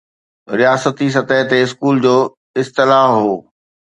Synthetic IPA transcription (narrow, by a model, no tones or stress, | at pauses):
ɾijaːsət̪is̬ɐt̪əɦt̪eɪskuːld͡ʑoː | ɪst̪ɪlaɦoː